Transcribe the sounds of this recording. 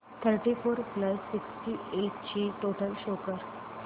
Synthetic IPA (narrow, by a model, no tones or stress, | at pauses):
t̪ʰəɾʈifoɾpləsːiksʈieʈt͡ɕiːʈoʈəlɕokəɾ